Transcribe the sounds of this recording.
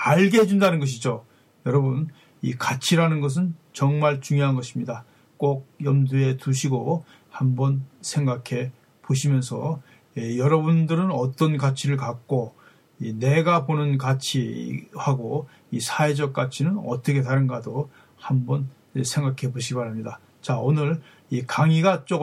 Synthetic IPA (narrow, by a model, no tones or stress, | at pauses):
aɭɡeɦed͡ʑundanɯnɡʌɕ̬ʰid͡ʑo | jʌɾʌbun | ḭkat͡ɕʰiɾanɯnɡʌs̬ʰɯnt͡ɕʌŋmaɭt͡ɕuŋjoɦanɡʌɕʰimɲida | k͈ok̚jʌmdue̞tuɕʰiɡo | hambʌnsʰe̞ŋɡakʰe̞ | poɕ̬ʰimjʌnsʰʌ | ijʌɾʌbundɯɾɯnʌt͈ʌnkat͡ɕʰiɾɯɭkak̚k͈o | ineɡaponɯnkat͡ɕʰihaɡo | isʰaed͡ʑʌk͈̚at͡ɕʰinɯnʌ̰t͈ʌkʰe̞taɾɯnɡado | hambʌn | sʰe̞ŋɡakʰe̞boɕʰiimaɾɦamɲida | t͡ɕaonɯɭ | ikaŋiɡat͡ɕ͈o